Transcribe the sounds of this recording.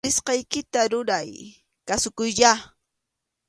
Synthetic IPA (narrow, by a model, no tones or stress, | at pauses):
ɪsqɑjkɪt̪aɾʊɾaj | kasʊkʊjʎa